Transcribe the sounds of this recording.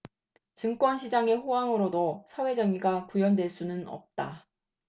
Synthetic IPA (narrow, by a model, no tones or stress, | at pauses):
t͡ɕɯŋk͈wʌnɕʰid͡ʑaŋe̞ɸowaŋɯɾodosʰawe̞d͡ʑʌŋiɡakujʌndwe̞ɭs͈unɯnʌ̰p̚t͈a